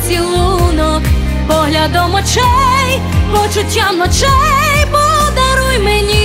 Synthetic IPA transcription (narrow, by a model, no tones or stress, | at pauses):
sʲilˠunɔ | pɔɦlʲad̪ɔmɔt͡ʃɛj | mɔt͡ʃʊtʲːamnɔt͡ʃɛjpɔd̪aɾujmɛnʲi